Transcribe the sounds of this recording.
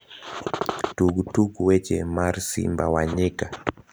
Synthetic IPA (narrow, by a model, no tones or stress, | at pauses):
tuɡutuɡuwɛt͡ʃɛ̰maɾsḭmbawaɲɛka